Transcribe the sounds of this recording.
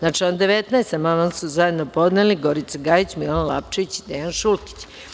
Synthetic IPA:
nat͡ʃiond̪eʋet̪najst̪amaʋansuzajed̪nopo̞d̪neliɡo̞ɾit̪seɡaːjit͡ɕmilanlaːpt͡ʃeʋit͡ɕi̥d̪ejanʃulki̥t͡ɕ

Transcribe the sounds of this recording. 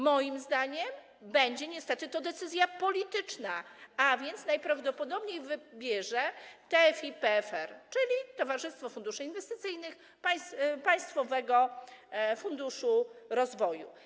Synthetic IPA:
mɔjimzd̪aɲɛm | bɛɲd͡ʑɛɲɛst̪ɛt̪ɘt̪ɔd̪ɛt̪sɘzʲjapɔlʲit̪ɘt͡ʂnaavʲjɛnt̪snajpɾavd̪ɔpɔd̪ɔbɲejvɘbʲjɛʐɛt̪ɛfʲipɛfɛɾt͡ʂɘlʲit̪ɔvaʐɘst̪fɔfund̪uʂɘinvɛst̪ɘt̪sɘjnɘx | pajspaj̃st̪fɔvɛɡɔ | fund̪uʂuɾɔzvɔju

